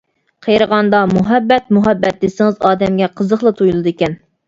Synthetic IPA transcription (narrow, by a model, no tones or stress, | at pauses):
qʰejɾəʁɑnd̪ɑmuɦɛbːɛt̪̚muɦɛbːɛt̪̚d̪esɪŋɪzɑːd̪ɛmɡʲɛqʰəzəχlˠɨt̪ʰojulˠɨd̪ɨekʲɛn